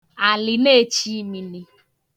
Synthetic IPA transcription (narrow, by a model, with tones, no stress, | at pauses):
a˨lɪ˨ne˦t͡ʃi˦mi˦ni˦